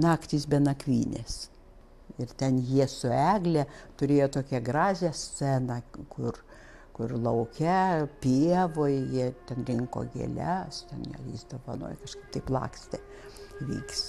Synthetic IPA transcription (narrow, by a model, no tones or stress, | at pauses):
nɑːkt̪ʲiːsbʲɛnɐkʋʲiːnʲes | ɪrt̪ʲɛnjiɛsʊæːɡlʲɛt̪ʊɾʲeːjoːt̪oːkʲɛɡrɑːzʲɛst͡sʲæːnɑkʊr | kʊrlˠɐʊkʲɛpʲiɛʋojjiɛt̪ʲɛnrʲɪŋko̰ːɡʲḛlʲæst̪ʲɛnjɛ̰ḭsd̪oʋɐno̰ːjkɐʃkɐɪp̚t̪ɐɪplˠɑ̰ːksʲt̪ʲɛ | ʋʲḭːks